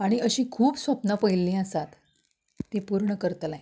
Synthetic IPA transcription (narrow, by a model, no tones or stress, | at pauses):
aɽ̃iʔəɕĩːkʰuːpsʋəpnapəjlːĩəsat̪ː | ẽpuɾɳəkəɾt̪laj